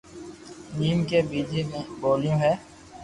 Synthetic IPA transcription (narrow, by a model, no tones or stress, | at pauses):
niːmkebiːd͡ʒemẽboːljõɦɛː